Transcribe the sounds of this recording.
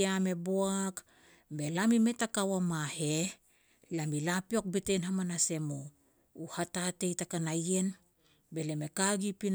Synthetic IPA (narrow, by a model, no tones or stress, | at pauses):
ame̞boak | be̞lamime̞takawamahe̞ | lamilapio̞k̚betenhamanase̞mo | uhatate̞jtakanaje̞n | be̞le̞me̞kaɡipin